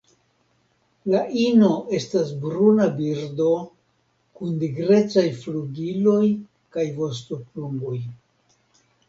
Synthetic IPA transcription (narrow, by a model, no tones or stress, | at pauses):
laʔino̞ʔe̞stasbɾunabiɾdo̞ | kundiɡɾe̞t͡sajfluɡilo̞j | kajvo̞stopluŋɡoj